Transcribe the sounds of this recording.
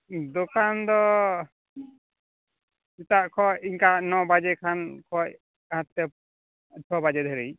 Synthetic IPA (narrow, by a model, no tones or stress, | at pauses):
d̪ɔkand̪ɔ | sit̪aʔkʰɔʔiɲkanɔbad͡ʒɛkʰankʰɔc | hãt̪ːɛ | t͡ʃʰɔbad͡ʒɛd̪ʱɔɾij